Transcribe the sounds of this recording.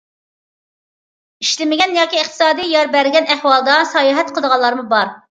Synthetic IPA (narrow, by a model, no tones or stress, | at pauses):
iʃlɪmɪɡʲɛnjɑːkʲiəχt̪ʰɨ̥sɑːd̪ijjɑɾbæɾɡʲɛnæhwɑlˠd̪ɑsɑjɑːɦɛt̪̚qʰəlˠd̪əʁɑlːˠɑɾmubɑɾ